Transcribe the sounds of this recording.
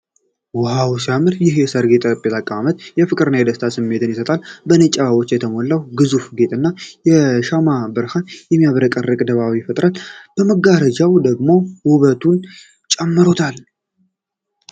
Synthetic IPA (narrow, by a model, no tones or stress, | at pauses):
wɔhawsiamɨɾjɪhjɛsəɾɡe̞t̪ʼpʼːet̪ʰakʼaβamət̪jɛfɨkʼɨɾɨnːajɛd̪əst̪ʰasɨmːe̞t̪ʰɨnjɪsət̪ʼalbənət͡ʃʼːaaβo̞t͡ʃːjɛt̪ʰəmolːawɡɨzufɡe̞t̪ʼɨnːajɛʃamabɨɾhanjɛmːijaβɾəkʼərəkʼd̪əβawifət̪ʼɾalb̥əməɡːaɾəd͡ʒawd̪əɡmo̞huβət̪ʰun | t͡ʃʼɛmːɨɾo̞t̪ʰal